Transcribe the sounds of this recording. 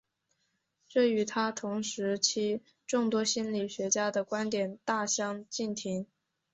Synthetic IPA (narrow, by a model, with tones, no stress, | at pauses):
ʈ͡ʂɤ˥˩y˧˥t̪ʰa˥t̪ʰʊ˧˥ŋʂɻ̩˧˥t͡ɕʰi˧˥ | ʈ͡ʂʊ˥˩ŋt̪wɔ˥ɕi˥nli˨˩ɕɥɛ˧˥t͡ɕja˥d̪ə˨kwa˥nt̪jɛ˨˩nt̪a˥˩ɕjɑ˥ŋt͡ɕi˥˩nt̪ʰi˧˥ŋ